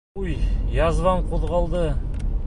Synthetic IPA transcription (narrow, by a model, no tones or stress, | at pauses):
ujjɑzʁɑɴqʰuðʁɑlˠd̪ə